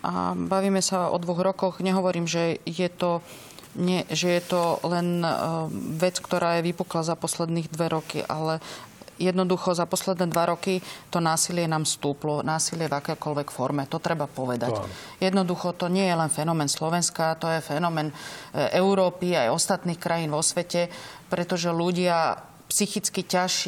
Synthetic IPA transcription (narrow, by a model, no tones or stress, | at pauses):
ʔa̰baʋiːmɛsaɔ̰d̪ʋɔɣɾɔkɔɣɲɛɦɔʋɔɾiːmʒɛjɛt̪ɔ | ɲɛʒɛjɛt̪ɔlɛn | ʋɛt͡skt̪ɔɾʔaːjɛʋipuklazapɔslɛd̪niːɣd̪ʋɛɾɔkḭʔa̰lɛjɛd̪nɔd̪uxɔzapɔslɛd̪nɛːd̪ʋaɾɔkit̪ɔnaːsilɪɛnaːmst̪uːplɔnaːsilɪɛvakɛjkɔlʋɛkfɔɾmɛt̪ɔt̪ɾɛbapɔʋɛd̪a̰ | jɛd̪nɔd̪uxɔt̪ɔɲɪɛjɛlɛnfɛnɔmɛnslɔʋɛnskat̪ɔjɛfɛnɔmɛːnʔɛʊɾɔːpiajɔst̪at̪niːxkɾʔajiːnʋɔsʋɛcɛpɾʔɛt̪ɔʒɛluɟɪa | psixit͡skicaʃ